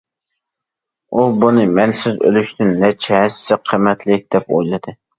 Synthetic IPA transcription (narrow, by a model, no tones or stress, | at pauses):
ubunɨmɛnsɪzø̰lyʃt̪ɪnːɛt͡ʃʰɛhɛssɪqʰəmɛt̪ʰlɪk̚ʲd̪ɛpo̰jlˠɨd̪ɨ